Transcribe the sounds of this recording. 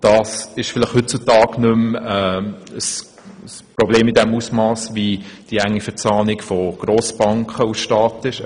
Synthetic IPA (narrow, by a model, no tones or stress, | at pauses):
d̥ɑːsɪʃfɪlɪχhʏt̚t͡sutɑːɡnʏmɛːəs | sprobleːmidɛmusmɑːsvid̥iæŋːifət͡sɑːnɪkfɔɡ̥ɾoːsb̥ɑŋkχəusʃtɑːtɪʃ